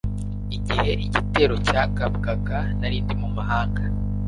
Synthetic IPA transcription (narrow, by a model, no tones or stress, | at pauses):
iɟihe̞ʔiɟite̞ɾo̞cakabɡaɡa | naɾiːndimumaɦaːŋɡa